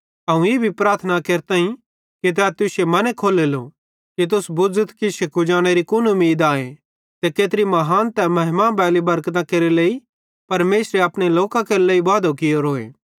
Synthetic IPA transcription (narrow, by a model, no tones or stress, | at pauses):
ɐũeːbʱipɾaːɾt̪ʰnakeːɾt̪ãːĩ | kit̪̬ɛːt̪ʊsemɐnɛkʰoːlelo | kit̪̬ʊsbʊd͡zət̪kiʃɪkud͡ʒaːɽ̃eɾikʊnʊmːiːd̪aːe | t̪ekeːt̪ɾimɐɦaːnt̪ɛmɐɦɪmabɛːlibɐɾkt̪ãkeːɾeleːi | pɐɾmeːsɾeɐpɽ̃eloːkãkeːɾeleːibaːd̪okɪjoɾoːḛː